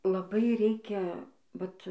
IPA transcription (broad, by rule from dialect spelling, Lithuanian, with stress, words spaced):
lˠɐˈbɐɪ ˈrʲɛɪkʲɛ ˈʋɐt